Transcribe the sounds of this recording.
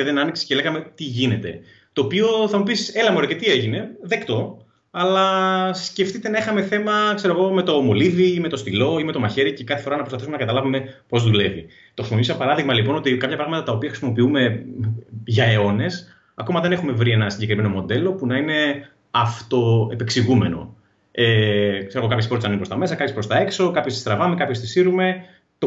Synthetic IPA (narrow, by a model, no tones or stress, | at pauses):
eðenɐniksi̥sceleɣɐme̞t̪iʝine̞t̪e̞ | t̪o̞ːpio̞θɐmupisse̞lɐmoɾoce̞t̪ie̞ʝine̞ðekt̪o̞ | ɐlɐsce̞ft̪it̪e̞nɐixɐme̞θe̞mɐkse̞ɾo̞ɣo̞me̞t̪o̞mo̞liviime̞t̪o̞st̪ilo̞ime̞t̪o̞mɐçe̞ɾice̞kɐθefo̞ɾɐnɐpɾspɐθisumenɐkɐt̪ɐlɐvume̞po̞zðule̞vi | t̪oxisimopiispɐɾɐðiɣmɐlipo̞no̞t̪ikɐpçɐpɾɐɣmɐt̪ɐt̪ɐopiɐxɾisimo̞piume̞ | ʝɐe̞o̞ne̞s | ɐko̞mɐðe̞ne̞xume̞vɾie̞nɐsiɲɟekɾime̞no̞mo̞d̪e̞lo̞punɐine̞ | ɐft̪o̞e̞pe̞ksiɣume̞no̞̰ | ekse̞ɾo̞ɣokɐpçespot̪sɐninmpɾot̪ɐme̞s̬ɐkɐpçespɾost̪ɐe̞kso̞kɐpçot̪ist̪ɾɐvɐme̞kɐpço̞st̪isiɾume̞ | t̪o